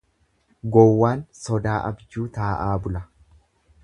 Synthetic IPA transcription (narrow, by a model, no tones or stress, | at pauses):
ɡɔwːaːnsɔd̪aːʔɐ̰bd͡ʒuːt̪aːʔaːbʊlɐ